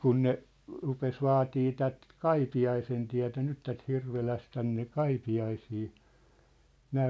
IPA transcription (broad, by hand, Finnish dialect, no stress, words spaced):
kun ne rupes ʋɑːtiː tæt kɑipiɑisentiætæ̝ nyt tæt hirʋelæs tænːe kɑipiɑisiː næː